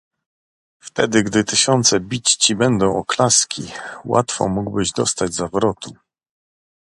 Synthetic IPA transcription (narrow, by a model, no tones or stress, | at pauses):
ft̪ɛd̪ɘɡd̪ɘt̪ɘɕɔnt̪sɛbʲit͡ɕt͡ɕibɛnd̪ɔ̃w̃ʔɔklaskʲiwa̰t̪fɔ̰muɡbɘʑd̪ɔst̪ad͡ʑzavɾɔt̪ʰu